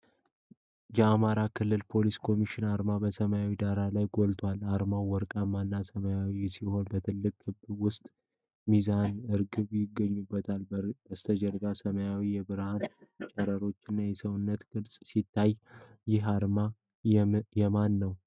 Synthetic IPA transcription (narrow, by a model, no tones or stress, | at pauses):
jɛamaɾakʰɨlːɨlpʰo̞liskʰo̞miʃɪnaɾmabəsəməjawid̪aɾalajɡolt̪ʰwalaɾmawɔɾkʼamanːasəməjawisiho̞nbət̪ʰɨlːɨkʼhɨbwʊst̪ʼ | mizanɨɾɡɨβjɪɡːəɲːubːət̪ʰalbəst̪ʰəd͡ʒɛɾbasəməjawijɛbɨɾhant͡ʃʼɛɾəɾo̞t͡ʃːɪnːajɛsəwʊnːət̪ɡ̥ɨɾsʼsit̪ʰːajjɪɦaɾma | jɛmanːəw